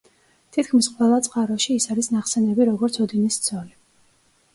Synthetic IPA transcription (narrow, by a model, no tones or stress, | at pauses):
t̪ʰit̪ʰkʰmisqʼwɛlˠat̪sʼqʼaɾɔʃiːsaɾisnaχsɛnɛbiɾɔɡɔɾt̪sʰɔd̪inist̪sʰɔli